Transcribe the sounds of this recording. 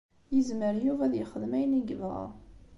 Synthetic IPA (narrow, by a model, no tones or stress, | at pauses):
jəzməɾjuvæðjəχəðmæjniɡəvʁa̰